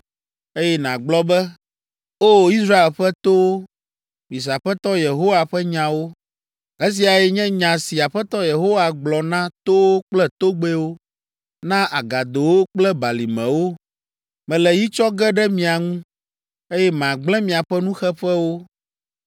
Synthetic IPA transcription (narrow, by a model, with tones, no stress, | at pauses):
e˦jɛ˦nã˨ɡ͡blɔ˦bɛ˦ | o˦˨i˦sɾa˦e˨lɸɛ˦t̪o˦wo˦ | mĩ˨s̬a˨ɸɛ˦t̪ɔ˦je˨ɦo˦wa˨ɸɛ˦ɲã˨wo˦ | ɣɛ˦s̬i˨a˨jɛ˨ɲɛ̃˦ɲã˨si˨a˨ɸɛ˦t̪ɔ˦je˨ɦo˦wa˨ɡ͡blɔ˨nã˦t̪o˦wo˦k͡plɛ˦t̪o˦ɡ͡be˦wo˦ | nã˦ʔa˨ɡa˨d̪o˨wo˦k͡plɛ˦ba˨li˨mɛ̰̃˨wo˦ | mɛ̃˨lɛ˨ji˦t͡ʃɔ˦ɡɛ˦ɖɛ˦mĩ˨a˨ŋũ˦ | e˦jɛ˦m˨ã˨ɡ͡blɛ̃˦mĩ˨a˨ɸɛ˦nũ˦xɛ˦ɸɛ˦wo˦